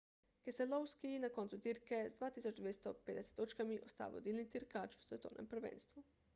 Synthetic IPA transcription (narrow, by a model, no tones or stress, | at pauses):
keselowskinako̞nt̪sut̪iɾkezd̪ʋaːt̪isot͡ʃd̪ʋjest̪oped̪ese̥t̪ːot͡ʃkamiʔost̪a̰ːʋo̰d̪ilnit̪iɾkat͡ʃu̥set̪oːnʔḛmpɾ̩ʋḛːnst̪ʋu